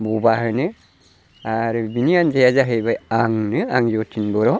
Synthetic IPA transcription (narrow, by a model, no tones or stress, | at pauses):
bubaɦɯnɯ | aɾɯbiniand͡ʒajazaɦɯjbajaŋnɯaŋjɔtʰinbɔɾɔ